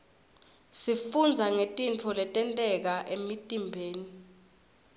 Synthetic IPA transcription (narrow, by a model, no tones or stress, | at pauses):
sifund͡zʱaŋetʼint͡fʰɔlɛtʼɛntʼɛk̬aʔemitʼimbʱeːni